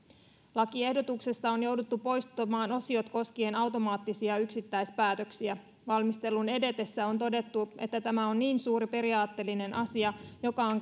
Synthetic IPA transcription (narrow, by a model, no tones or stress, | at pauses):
lɑkie̞hdo̞t̪ukse̞st̪ɑo̞njo̞wdut̪ːupo̞jst̪omɑːno̞sio̞t̪ko̞sk̟ienɑwt̪o̞mɑːt̪ːisiɑyksit̪ːæjspæːt̪ø̞ksiæ | ʋɑlmist̪e̞lːune̞de̞t̪e̞sːæo̞nt̪o̞de̞t̪ːuʔe̞̰t̪ːæt̪æmæo̞nniːnsuːɾipe̞ɾiɑːt̪ːe̞lːine̞nʔɑsiɑjo̞kɑoŋ